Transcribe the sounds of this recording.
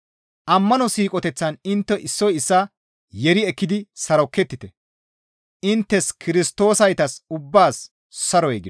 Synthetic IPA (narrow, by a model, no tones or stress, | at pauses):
ʔɐmːɐnɔsiːkʼɔt̪ɛt͡sːɐnɪnt̪ːɛʔɪsːɔjɪsːɐ | jɛɾɪɛkːɪd̪ɪsɐɾɔkːɛt̪ːɪt̪ɛ | ʔɪnt̪ːɛskʰɪɾɪst̪o̞ːsɐjt̪ɐsʊbːaːs | sɐɾɔɛɡɪ